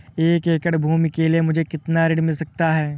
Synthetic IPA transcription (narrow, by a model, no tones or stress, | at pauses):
eːkeːkəɽbʱuːmikeliemʊd͡ʒʱekɪt̪naɾɪɽmɪlsɐk̚t̪aɦɛː